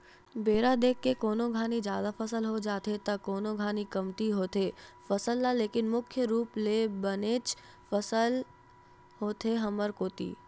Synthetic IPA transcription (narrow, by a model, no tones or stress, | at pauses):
beːɾad̪eːkːekoːnoɡʱaːnid͡ʒjaːd̪afəsəlɦod͡ʒaːt̪et̪ɐkoːnoɡʱaːnikɐmt̪iɦoːt̪efəsəlːaleːkɪnmʊkʰjəɾuːplebəneːt͡ʃ | fəsəl | ɦoːt̪eɦɐməɾkoːt̪ḭː